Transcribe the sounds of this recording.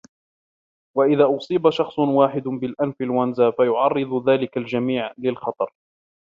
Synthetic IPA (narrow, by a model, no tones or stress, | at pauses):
waʔɪðaːʔʊsˤiːbaʃɑxsˤʊnwaːħɪd̪bɪlʔanfɪlwanzaːfajʊʕɑrˤːɨðˤðaːlɪkald͡ʒamiːʕlɪlxɑt̪ˤɑɾˤ